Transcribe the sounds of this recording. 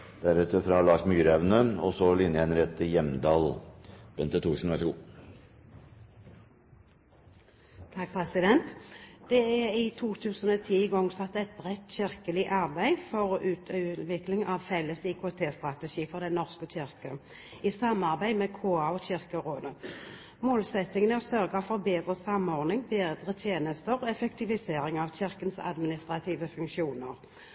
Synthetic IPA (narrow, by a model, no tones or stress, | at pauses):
d̪̥æɾʉt̪əɾfɾɑlɑːʂmyːɾəɛʋnəɔsɔlɪnjəɛnɾɛt̪ʰːɪjɛmd̪ɑːlb̥ɛnt̪ət̪ʰuːʂn̩ʋæɾʂɔɡṵː | t̪ʰɑk̚pʰʁɛsɪd̪ɛnt̪d̪̥ɛæɪt̪ʰuːt̪ʰʉːsənɔːt̪ʰiːɡɔŋsɑt̪ːɛɪt̪̚bʁɛt̪ːɕɪʁkəlɪʔɑʁbæɪfɔʁʉːt̪ʰːʋɪklɪŋɑʋfɛlːəsikʰot̪ʰeːst̪ʁɑt̪əʃiːfɔʁd̪ɛnɔʁskəçɪʁkə | ɪsɑmːɑʁbæɪmɛkʰoːɑɔɕɪʁkəʁoːd̪ə | moːlsɛt̪ːɪŋənəɔsœʁɡɑfɔʁbeːd̪ʁəsɑmːɔʁnɪŋbeːd̪ʁət̪ʰjeːnəst̪əʁɔɛfɛkt̪ɪʋɪseːɾɪŋɑʋçɪʁkənsɑ̰d̪mɪnɪst̪ʁɑt̪ʰiːʋəfʉŋkʃjuːnəʁ